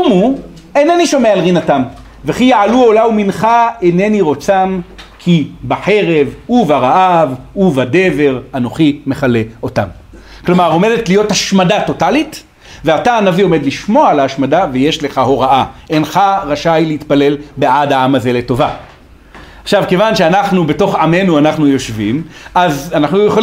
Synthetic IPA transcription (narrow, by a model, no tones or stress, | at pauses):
umu | eneniʃo̞mealʁinatam | veχijaʕaluolauminχaeneniʁo̞t͡samkʰibaħe̞ʁe̞vuvaʁaʔavuvade̞ve̞ʁano̞χime̞χale̞o̞tam | klomaʁo̞me̞detlijo̞thaʃmadato̞talit | ve̞ataːnavio̞med̪liʃmo̞alaːʃmadaveje̞ʃle̞χaɦo̞ʁaʔaʔe̞nχaʁaʃajleit̪pale̞lbeadaamaze̞le̞to̞va | aχʃavke̞vanʃeanaχnube̞to̞χʕame̞nuanaχnujo̞ʃvimʔazanaχnujeχol